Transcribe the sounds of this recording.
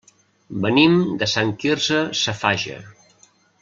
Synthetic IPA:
bənimd̪əsaŋkirzəsəfaʒə̰

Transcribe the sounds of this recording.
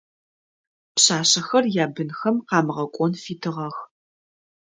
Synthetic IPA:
pɕaːɕɐxɐrjaːbɨnxɐmqɑːmɨʁɐkʷʼɔnfiːtʰɨʁɐx

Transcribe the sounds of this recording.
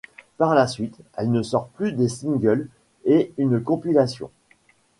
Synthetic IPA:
paʁlasɥit̪ɛlnəsɔʁplyd̪esĩŋɡʲœl | eynkɔ̃pilasjɔ̰̃

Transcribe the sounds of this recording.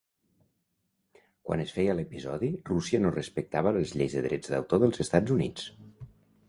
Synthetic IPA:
kwʔa̰nəsfɛjələpizɔðirusiənorəspək̚t̪aβ̞ələzʎejzðəðɾʔɛd͡zd̪ə̰wt̪oðəlˠzəst̪ad͡zunḭt͡s

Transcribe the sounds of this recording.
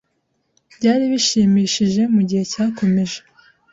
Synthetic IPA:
b̥ɟaːɾiβiʃiːmiːʃiʒe̞muɟihe̞caːkʰo̞meʒe

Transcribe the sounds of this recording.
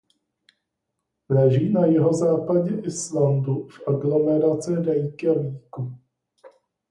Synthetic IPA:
lɛʒiːnajɪɦo̞zaːpaɟɛʔɪslandufʔaɡlo̞mɛɾat͡sɪɾɛjkɛviːku

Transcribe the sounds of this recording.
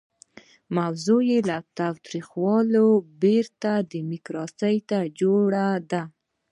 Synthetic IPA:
mawzojelat̪ɑwt̪ɾixwɑlobeɾt̪ad̪əmɪkɾɑsəjt̪ad͡ʒoɽad̪a

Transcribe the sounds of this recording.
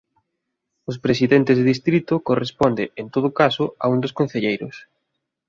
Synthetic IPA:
ʊspɾes̬iðent̪ɪzðeðist̪ɾit̪ʊkorespɔnd̪ɪent̪oðʊkasʊa̰und̪oskõn̟θeʎejɾʊs

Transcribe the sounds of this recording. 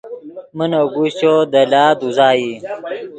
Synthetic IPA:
mənoɡuɕt͡ɕod̪ɐlaːd̪uzaːi

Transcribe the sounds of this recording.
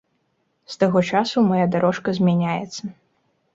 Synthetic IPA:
st̪aɣɔt͡ʂasumajad̪aɾɔʂkɐzʲmʲanʲajɛt̪sːɐ

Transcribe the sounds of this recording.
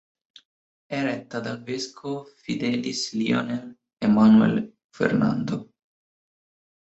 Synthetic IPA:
ɛrɛt̪ːad̪alveskʰofid̪ɛːlislio̰ːne | emanuɛ̰l | fḛrna̰nd̪o

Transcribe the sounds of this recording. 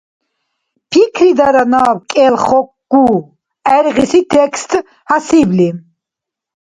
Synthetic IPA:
pʰikʰɾid̪aɾanawkʼɛlχɔk̚ɡ̥u | ɛɾʁisit̪ʰɛkst̪ʰ | hasibli

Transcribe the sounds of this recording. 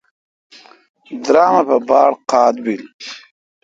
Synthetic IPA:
d̪ɾaːmapɐbɑːɽqɑːd̪bil

